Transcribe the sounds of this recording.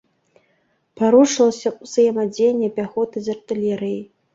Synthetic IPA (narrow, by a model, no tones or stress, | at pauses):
pʰaɾuʂlˠɐsʲɐqʷʼsɨjɛmad͡zʲenʲːɛpʲʼaxot̪ʰɨzʲɐrt̪ʼɨlʲeɾij